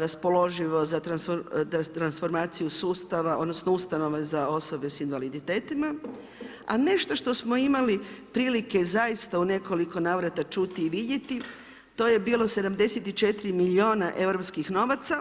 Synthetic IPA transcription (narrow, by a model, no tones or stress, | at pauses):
ɾaspo̞lo̞ʒiʋo̞zat̪ɾansot̪ɾansfo̞ɾmaːt̪sijusuːst̪aʋao̞̰d̪nosnoust̪ano̞ʋezao̞so̞be̞sinʋalid̪it̪e̞ːt̪ima | a̰ne̞ʃt̪o̞ʃt̪o̞smo̞imalipɾiːlike̞zajist̪aune̞ko̞liko̞naːʋɾat̪at͡ʃut̪iːʋid̪je̞t̪i | t̪o̞ːje̞biːlo̞se̞d̪amd̪e̞set̪it͡ʃe̞t̪iɾimilio̞ːnaʔe̞ʋɾo̞pskixno̞ʋat̪sa